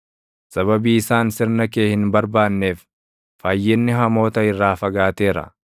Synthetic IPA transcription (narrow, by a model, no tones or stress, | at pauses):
sɐβɐbiːɪsaːnsɪɾnɐkeːhɪnbɐɾbaːnːe̞ːf | faːjːɛnːɪɦɐmo̞ːt̪ɐɪrːaːfɐɡaːt̪e̞ːɾɐ̰